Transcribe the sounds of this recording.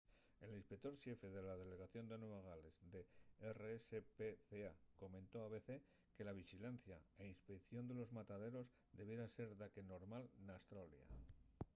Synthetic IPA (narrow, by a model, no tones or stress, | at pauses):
e̞linspek̚t̪o̞ɾʃje̞fe̞ðe̞laðe̞le̞ɣaθjo̞nd̪enweβaɣ̞ale̞zd̪e̞ereesepeθeako̞mẽnt̪o̞aβe̞θe̞ | ke̞laβ̞ixilanθjae̞inspekθjo̞nd̪e̞lo̞zmat̪aðe̞ɾo̞z | d̪e̞βje̞ɾase̞ɾðake̞no̞ɾmalnast̪ɾolja̰